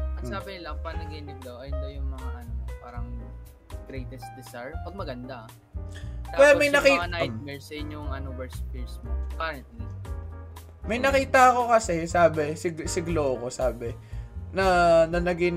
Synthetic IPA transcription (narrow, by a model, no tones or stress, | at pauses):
ɐt̪saːbɪlɐŋpɐŋlɐɡinɪɡlowʔɐjnd̪ojʊŋmɐŋaʔɐnopaːɾɐŋ | ɡ̥ɾejt̪ɛsd̪ɪsaɹpɐɡ̚mɐɡɐnd̪a | aɛjmɐjnɐkiŋanat̪̚mɛɹsɐjɪɲoŋɐnowɛɹspiɹsmpaɾɛnt̪̚nɛ | mɐjnɐkiːt̪ɐɐko̞kɐsɛsaːbɛsɪɡsɪɡloɐko̞saːbɛnɐnɐnɐɡɪn